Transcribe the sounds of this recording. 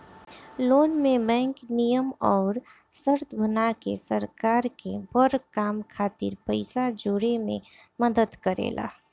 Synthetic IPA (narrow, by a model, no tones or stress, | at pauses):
loːnmebɛ̃ːŋknijəmɔːɾ | səɾt̪ʰbʱənakesəɾkaɾkebəɾkamkʰaːt̪ḭɾpəɪsad͡ʒoɽemḛ̃məd̪əd̪kəɾḛla̰